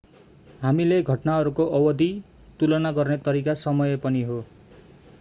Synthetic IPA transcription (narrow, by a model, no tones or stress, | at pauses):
ɦamileɡʱʌʈnaɦʌɾukoʔʌwʌd̪i | t̪ulʌnaɡʌrnet̪ʌɾikasʌmʌjepʌniɦo